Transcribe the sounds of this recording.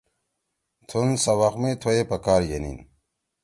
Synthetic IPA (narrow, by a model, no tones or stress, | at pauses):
t̪ʰunsɐwɐxmet̪ʰoepɐkaːɾjenḭn